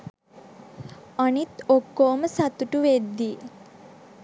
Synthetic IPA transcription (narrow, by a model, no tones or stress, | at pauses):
anit̪okːoːməsat̪uʈuʋed̪ːiː